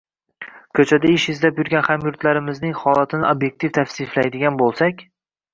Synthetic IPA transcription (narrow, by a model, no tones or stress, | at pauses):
kʲʰɵt͡ʃʰad̪aɪʃɪzlapjʊɾɡʲanhamjʊɾt̪laɾɪmɪznɪŋχɒlˠat̪ʰɪnɪobje̞k̚t̪ʰift̪ʰafsɪflajd̪ɪɡʲanbolˠsakʲ